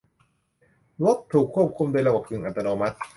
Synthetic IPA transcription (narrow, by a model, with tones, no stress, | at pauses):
wo˦˥k̚t̪ʰuː˨˩kʰːu˥˩p̚kʰu˧md̪oː˧jla˧wa˨˩p̚t̪ʰɯ˨˩ŋʔa˨˩t̪ːa˧noː˧ma˦˥t̪̚